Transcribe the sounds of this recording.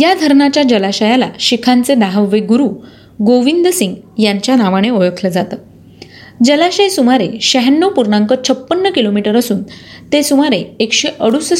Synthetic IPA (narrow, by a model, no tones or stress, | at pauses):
jad̪ʱəɾɳat͡ɕjad͡ʑəlaɕəjala̰ɕikʰant͡sed̪aɦəʋːeɡuɾuː | ɡoʋind̪əsiŋɡjaɲt͡ɕjanaʋaɽ̃eojokʰləd͡zat̪ə | d͡ʑəlaɕəjsumaɾeɕəɦənːopuɾɳãŋkət͡ɕʰəpːənːəkilomiʈəɾəsuːnt̪esumaɾeekɕeʔəɽus